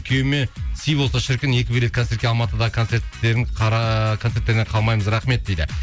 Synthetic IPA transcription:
kʲʰewmesijbolˠsɑʃɪɾkʲɪne̞kʲɪbeet̪kʰoe̞t̪kʲeɑlˠmɑt̪əd̪ɑʁək̪ʰt̪se̞ɾt̪ːe̞ɾɪɴqʰɑkʰo̞ne̞ɾt̪ːe̞ɾneqʰɑlˠmɑjməzɾɑχme̞t̪̚d̪̥ejd̪ɪ̰

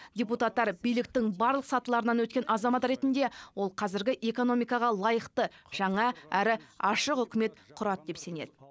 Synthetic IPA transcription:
dʲeput̪ɑt̪ːɑɾbijlɪk̚t̪ɪŋbɑɾlˠəqsɑt̪əlˠɑɾənɑnwɵt̪̚kʲe̞nʔɑzɑmɑt̪ɾe̞t̪ɪnd̪e̞wo̞lˠqʰɑzɪɾɡʲɪʔe̞ko̞no̞mijkɑʁɑlˠɑjəqt̪əʒ̥ɑɴɑæɾɪɑʃəqʏkʲɪme̞t̪qʰʊɾɑt̪d̪e̞pse̞ne̞̰d̪ɪ

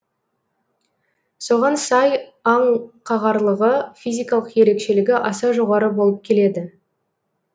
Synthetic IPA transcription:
so̞ʁɑnsɑjɑɴqʰɑʁɑɾlˠəʁəfijzʲijkɑlˠəqje̞ɾe̞kʃe̞lɪɡʲɪʔɑsɑʒo̞ʁɑɾəbo̞lˠəp̚kʲʰe̞le̞d̪ɪ

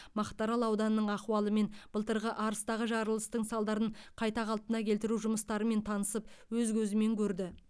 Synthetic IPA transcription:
mɑqt̪ɑɾɑlˠɑwd̪ɑnnːəɴɑqwɑlˠəme̞nb̥əlˠt̪əɾʁəʔɑɾəst̪ɑʁəʒɑɾəlˠəst̪əɴsɑlˠd̪ɑɾəɴqʰɑjt̪ɑʁɑlˠt̪ənɑkʲʰe̞lt̪ɪɾuʒʊməst̪ɑɾəme̞nt̪ʰɑnəsəpwɵzkʲʰɵzɪme̞ŋkʲʰɵɾd̪ɪ

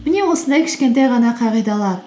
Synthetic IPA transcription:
mɪnʲewosənd̪ɑkʲʰɪ̥ʃkʲent̪æjʁɑnɑqʰɑʁijd̪ɑlˠɑ

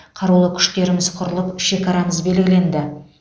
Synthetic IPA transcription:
qʰɑɾulˠəkʲʰʏ̥ʃt̪e̞ɾɪmɪz̥qʰʊɾəlˠəpʃe̞kɑɾɑməzbe̞lɡʲɪle̞nd̪ɪ

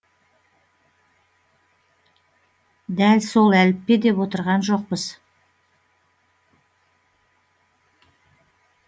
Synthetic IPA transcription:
d̪ælso̞lˠælɪpːe̞d̪e̞pwot̪əɾʁɑnʒo̞q̚pəz̥

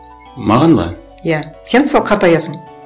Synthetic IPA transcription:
mɑʁɑnbɑ̰ | jæse̞nməsɑlˠqʰɑɾt̪ɑjɑsəɴ

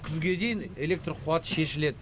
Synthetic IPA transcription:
kʲʰʏzɡʲe̞d̪e̞jɪne̞lʲe̞k̚t̪roqʰʊat̪ʃe̞ʃɪle̞d̪ɪ

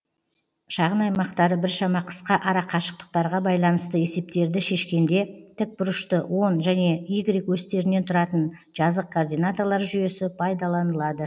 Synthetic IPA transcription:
ʃɑʁənɑjmɑqt̪ɑɾəbɪɾʃɑmɑqʰə̥sqɑʔɑɾɑqʰːɑʃə̥q̚t̪ə̥q̚t̪ɑɾʁɑbɑjlˠɑnəst̪əe̞se̞p̚t̪e̞ɾd̪ɪʃe̞ʃkʲe̞nd̪e̞t̪ʰɪk̚bʊɾəʃt̪əwʔo̞nʒæne̞iɡɾikwɵst̪e̞ɾɪne̞nt̪ʰʊɾɑt̪ən | ʒɑzəq̚kʰord̪ijnat̪olˠɑɾʒʏje̞sɪpʰɑjd̪ɑlˠɑnəlˠɑd̪ə

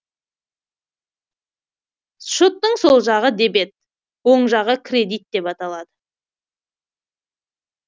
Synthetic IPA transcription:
ʃot̪ːəɴso̞lˠʒɑʁəd̪e̞be̞t̪̚ | wo̞ɴʒɑʁəkʲʰɾʲe̞d̪ijt̪̚d̪e̞pɑt̪ɑlˠɑd̪ə

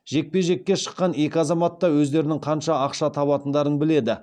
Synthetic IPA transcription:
ʒe̞k̚pe̞ʒe̞kʲːe̞ʃə̥qːɑne̞kʲɪɑzɑmɑt̪ːɑwɵzd̪e̞ɾɪnɪŋqʰɑnʃɑɑqʃɑt̪ʰɑβɑt̪ənd̪ɑɾənbɪle̞d̪ɪ

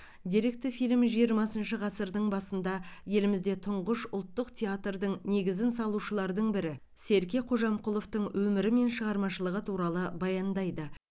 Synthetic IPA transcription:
d̪ʲiɾe̞k̚t̪ɪfijlmʒijəɾmɑsənʃəʁɑsəɾd̪əɴbɑsənd̪ɑje̞lɪmɪzd̪e̞t̪ʰʊɴʁəʃʊlˠt̪ːəqt̪ʲʰeat̪rd̪əɴne̞ɡʲɪzɪnsɑlˠuʃəlˠɑɾd̪əɴbɪɾɪ | se̞ɾkʲe̞jqʰo̞ʒɑmqʰʊlˠo̞ft̪əɴwʔɵmɪɾɪme̞nʃəʁɑɾmɑʃəlˠəʁət̪ʰuɾɑlˠəbɑjɑnd̪ɑjd̪ə

